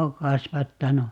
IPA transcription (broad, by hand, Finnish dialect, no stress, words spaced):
oː kɑsʋɑtːɑnu